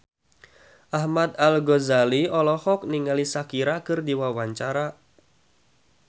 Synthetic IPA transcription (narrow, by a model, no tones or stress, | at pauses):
ʔahmad̪alɡɔzaliɔlɔhɔk̚niŋalisakiɾakɨrdiwawaɲt͡ʃaɾa